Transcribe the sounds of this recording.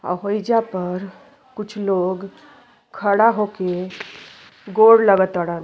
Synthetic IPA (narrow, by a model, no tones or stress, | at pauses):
a̰ɦojd͡ʒapəɾ | kut͡ʃʰloɡ | kʰəɽaɦoke | ɡoɽləɡət̪əɽən